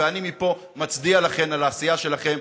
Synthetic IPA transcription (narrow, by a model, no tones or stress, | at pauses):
eanimipo̞ | mat͡sdialaχe̞nalaːsijaʃe̞laχe̞m